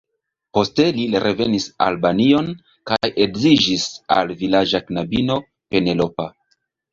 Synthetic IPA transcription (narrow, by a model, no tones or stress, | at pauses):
po̞ste̞liɾe̞ve̞nisa̰lbanio̞n | kajʔe̞ɡzid͡ʒisa̰lvilad͡ʒaknabino̞ | pe̞ne̞lo̞pa